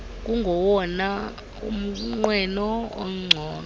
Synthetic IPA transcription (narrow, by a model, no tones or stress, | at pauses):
k̬ʼuŋɡʱɔwɔna | ṵm̩ŋ͡ǀwɛnɔo̰ŋ͡ǀʱɔːn